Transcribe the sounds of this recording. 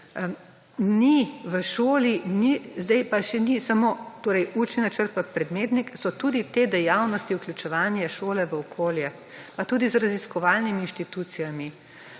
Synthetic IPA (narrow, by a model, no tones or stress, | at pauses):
niʋəʃoːlinizd̪ɛjpaʃɛnisamoːt̪oːɾɛjuːt͡ʃninat͡ʃəɾt̪̚papɾɛd̪meːt̪niksɔt̪uːd̪it̪eːd̪ɛjawnɔst̪iuklʲjʲut͡ʃɛʋaːnjɛʃoːlɛʋəɔkʰoːljɛ | pat̪uːd̪izɾaziskɔʋaːlnimiːnʃt̪it̪uːt̪sijami